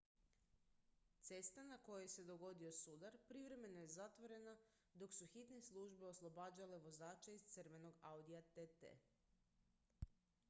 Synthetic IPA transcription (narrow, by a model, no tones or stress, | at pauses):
t̪se̞st̪anako̞jojese̞d̪o̞ɡo̞d̪io̞sud̪aɾpɾiʋɾe̞me̞noje̞zat̪ʋo̞ɾe̞na | d̪o̞ksuxit̪neslˠuʒbe̞o̞slˠo̞baːd͡ʑale̞ʋo̞zaːt͡ʃaizt̪srɾʋe̞no̞ɡawd̪ijat̪et̪ḛ